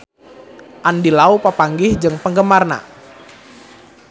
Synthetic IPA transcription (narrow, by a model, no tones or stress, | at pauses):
ʔandilaupapaŋɡɪhd͡ʒɨŋpəŋɡəmarna̰